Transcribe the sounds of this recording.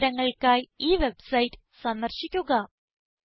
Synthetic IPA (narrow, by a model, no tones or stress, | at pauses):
ɾɐŋːɐɭkaːjiːʋe̞bsɐjitɨ̥ | sɐnːɐrɕikʲːuɣɐ